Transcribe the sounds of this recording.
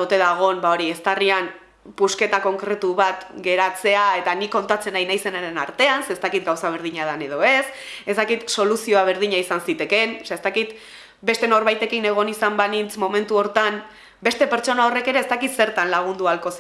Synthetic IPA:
ut̪e̞ðaɣ̞o̞mbao̞ɾiest̪arian | puske̞t̪ako̞ŋkɾe̞t̪uβat̪ɡe̞ɾat͡se̞ae̞t̪anikːo̞nt̪at͡se̞najnajse̞naɾe̞naɾt̪e̞anseːst̪akit̪̚ɡawsaβ̞e̞ɾð̞iɲað̞ane̞ð̞o̞e̞se̞zd̪akit̪so̞lusio̞aβ̞e̞ɾð̞iɲaisansit̪e̞ke̞nsaest̪akit̪ | be̞st̪e̞no̞ɾβajt̪e̞kine̞ɣ̞o̞nisambanint͡smo̞mẽ̞nt̪uo̞ɾt̪am | be̞st̪e̞pe̞ɾt͡ʃo̞nao̞re̞ke̞ɾe̞ːst̪akit̪se̞ɾt̪anlaɣ̞und̪ualko̞s

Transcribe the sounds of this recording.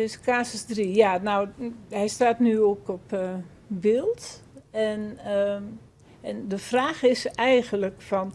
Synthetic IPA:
ɪskaːsəsdrijaːnawhɛjstaːtnyokɔp | bɪlˠtɛn | ɛndəfraːxɪsɛjɣənləkfɔn

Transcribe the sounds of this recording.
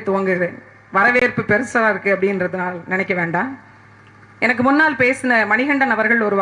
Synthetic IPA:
t̪ʊʋɐŋɡɯɾ | ʋɐɾɐʋeːɾpɯpɛɾɯsɐlaɪɾɯkːɯɐpːɐɽɪnrɐðɯnaːlnɪnɐɪkːɐʋeːɳɖaː | ɛnɐk̬ːɯmʊnːaːlpeːsɯnɐmɐnɪɣɐɳɖɐnɐʋɐɾɣɐɭɔɾɯʋa

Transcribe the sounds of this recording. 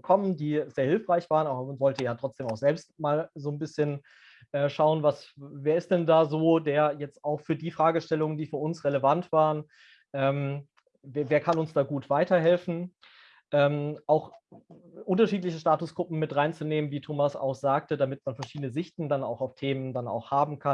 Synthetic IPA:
kʰɔməndiːzeːɐhɪlfʁ̥aɪçv̥aːʁənaːbɐmanvɔltəjaːtʁ̥ɔt͡sd̥eːmaʊxz̥ɛlpstmaːlzoːnbɪsçən | ʔɛːʃaʊənvasveːɐɪst̚d̥ɛndaːzoːdeːɐjɛt͡staʊxfyːɐdiːfʁ̥aːɡəʃtɛlʊŋəndiːfyːɐʊnsʁeləvantv̥aːʁən | ʔɛːm | vveːɐkʰanʊnsd̥aːɡuːtv̥aɪtɐɦɛlfn̩ | ʔɛːmʔaʊx | ʔʊntɐʃiːt̬lɪçəʃtaːtʊsɡ̥ʁʊpm̩mɪtʁaɪnt͡suneːmənviːtʰoːmasa̰ʊxz̥aːk̚tədamɪtmanfɛɐʃiːdənəzɪçtn̩dana̰ʊxaʊftʰeːməndana̰ʊxhaːbm̩kʰa

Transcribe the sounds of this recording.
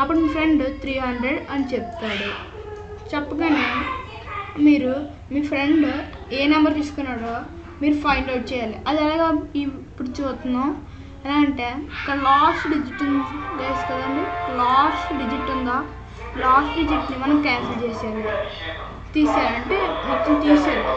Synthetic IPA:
ɐpːuɽmiːpʰɾe̞ɳɖt̪ʰɾiːɦɐɳɖɾeɖɐnit͡ʃep̚t̪aːɽu | t͡ʃɛpːɐk̬ɐni | miːɾu | miːpʰɾe̞ɳɖ | eːnɐmbɐɾt̪iːsu̥kunːaːɾoː | miːɾupʰɐjɳɖɐwʈ̚t͡ʃɛːjaːliʔɐd̪iɛlaːɡaːipːuɽut͡ʃuːt̪unːa | ɐlaːɐɳʈe̞ːk̪ɐlaːsʈɖid͡ʒiʈːund͡ʒeːsu̥kɐd̪ɐɳbilaːsʈɖid͡ʒiʈːund̪aː | laːsʈɖid͡ʒiʈnimɐnɐmkaːnsɐlt͡ʃeːʃaːli | t̪iːsaːlɐɳʈemɐt͡ʃːit̪iːsaːɽu

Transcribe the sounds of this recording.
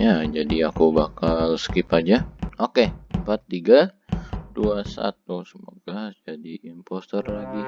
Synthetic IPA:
jad͡ʒadiakubakalsə̥kipad͡ʒaokempat̪ːiɡa | d̥uasa̰t̪̚usəmoɡ̥ad͡ʒadiːmpost̪ərlaɡi

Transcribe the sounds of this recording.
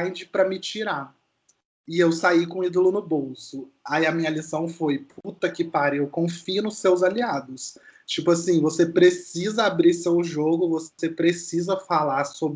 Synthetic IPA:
j̃d͡ʒɪpɾɐmɪt͡ʃiɾa | ɪewsaikõid̪olʊnʊbowsʊaiɐmĩɲɐlisɐ̃w̃fojpʰut̪ɐkɪpaɾɪewkõfiʊnʊsːewzaliad̪ʊst͡ʃipʊasĩvosepɾesizɐabɾisewʒoɡʊvosepɾesizɐfalaɾsob

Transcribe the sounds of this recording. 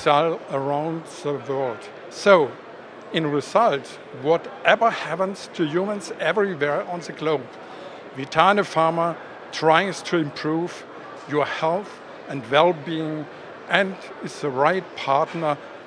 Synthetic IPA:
sɛlə˞ãʊ̃ndðəwɜ˞lˠd̥ | soʊ | ɪ̃nɹɪzʌlˠt | wɔɾʔɛvə˞hæpə̃nstʰɨjumə̃nzɛvɹiwɛɹə̃nðɨɡloʊb | vitʰãnəfɑɹmə˞ | tʰɹ̥aɪz̥tʰuɪ̃mpʰɹ̥uv | jə˞hɛlˠθ | ɨ̃ndwɛlˠbiɪ̃ŋ | ʔɨ̃nd | ɨzðəɹaɪt̚pʰɑɹtnə˞

